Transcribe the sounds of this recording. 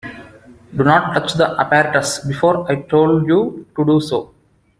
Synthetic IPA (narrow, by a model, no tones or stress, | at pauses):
ɖunɔːʈʈʌt͡ʃd̪əʔɐpæɾəʈəsbɪfoːɾaɪʈʰoːlɖjuːʈuɖuːsoː